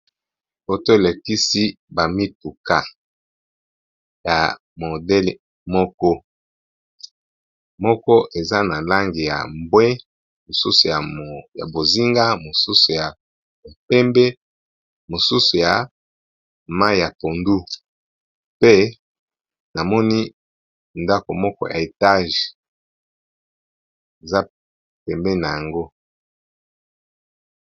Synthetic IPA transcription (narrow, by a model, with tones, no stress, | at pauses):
bo˨to˦e˨le˨ki˦si˦ | ba˨mi˦tu˨ka˦ | ja˨ | mo˨dɛ˦l | mɔ˦kɔ˦ | mɔ˦kɔ˦ʔe˨za˦na˨la˦ŋɡi˨ja̰˨mbwɛ˦ | mo˨su˦su˨ja˨ja̰˨bo˨zi˦ŋɡa˦mo˨su˦su˨ja˨ | o˨pɛ˦mbɛ˦ | mo˨su˦su˨ja˨ | ma˦˨ja˨po˨ndu˦ | pe˦ | na˨mɔ˦ni˦ | nda˦ko˨mɔ˦kɔ˦jʔa̰˨e˨ta˦ʒ | e˨za˦ | pɛ˨mbɛ˦na˨ja˨ŋɡo˦